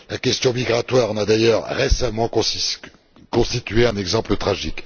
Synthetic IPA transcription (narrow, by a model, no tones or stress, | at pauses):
lakʲɛst̪jɔ̃miɡʁat̪waːʁɑ̃nad̪ajœʁːesamɑ̃k | kɔ̃st̪it̪ɥeɛ̃nɛɡzɑ̃plət̪χaʒik